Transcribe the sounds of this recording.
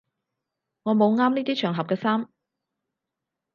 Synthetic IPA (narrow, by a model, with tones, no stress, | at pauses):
ŋɔː˨˧mo˨˧wŋaː˥mniː˥t̪iː˥t͡ʃʰœː˨˩ŋɦɐ˨p̚kɛː˧saː˥m